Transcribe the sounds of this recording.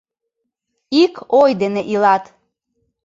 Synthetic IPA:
ikojd̪eneʔilɑt̪

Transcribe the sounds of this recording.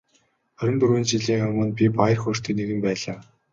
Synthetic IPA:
œɾʲɘ̆nt̪uɾuːnt͡ɕiɮiːŋarmə̆npʲipajə̆rxʊr̥t̪ʰɵ̆neɣɘ̆mpæːɮaː

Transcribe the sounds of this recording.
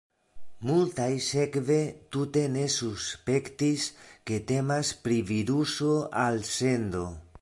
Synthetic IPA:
mult̪ajsekve̞t̪ut̪e̞ne̞suspe̞kt̪iske̞t̪e̞maspɾiviɾusoalsend̪o̞

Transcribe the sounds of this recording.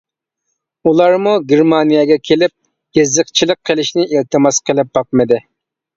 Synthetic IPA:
ulˠɑɾmuɡʲeɾmɑnijɛɡʲɛkʲʰelɪp̚ | jezəqt͡ʃʰilˠəqʰːəlˠɪʃnɪʔilt̪ʰɨmɑsqʰəlˠɪp̚bɑq̚mɨd̪ɪ

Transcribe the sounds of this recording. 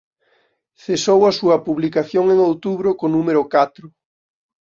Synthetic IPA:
θesowɐsuɐpuβlikaθjoŋeŋowt̪uβɾʊkonũmeɾʊkat̪ɾʊ

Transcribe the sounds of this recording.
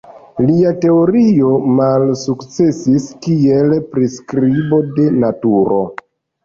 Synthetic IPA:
liate̞oɾio̞malsukt͡se̞siskielpɾiskɾibo̞de̞natuɾo̞̰

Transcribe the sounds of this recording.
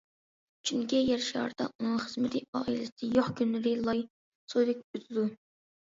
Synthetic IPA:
t͡ʃʰyŋkʲijɛɾʃɑ̰ːɾd̪ɑ̰ʔunɨχəzmɪt̪ʰɪɑːilɪsɪjoχkʲynːɪɾɪlˠɑj | sod̪ɪk̚ʲyt̪ʰɪd̪u

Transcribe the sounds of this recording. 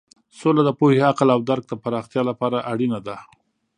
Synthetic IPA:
solad̪əpoheaqlawd̪aɾɡ̚d̪əpaɾɑxt̪jɑlapɑɾaʔaɽinad̪a

